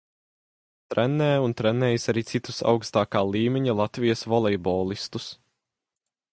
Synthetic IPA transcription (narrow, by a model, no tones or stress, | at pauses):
t̪ɾʔɛnːɛːunt̪ɾɛnːɛːjsaɾiːt̪sit̪usa̰wkst̪aːkaːlˠiːmʲeɲilˠat̪vijəsvɔlˠɛjbɔːlˠist̪us